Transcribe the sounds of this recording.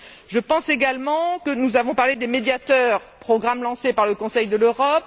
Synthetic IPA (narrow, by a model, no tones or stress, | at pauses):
ʒəpɑ̃seɡalmɑ̃kənuzavɔ̃paʁled̪emed̪jat̪œʁpχɔɡʁamlɑ̃sepaʁləkɔ̃sɛjd̪əløʁɔp